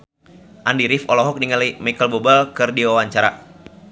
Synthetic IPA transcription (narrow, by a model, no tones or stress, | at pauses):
ʔandiɾifɔlɔɦɔk̚diŋəliimikəlbobalkɨrdiwawaɲt͡ʃaɾa̰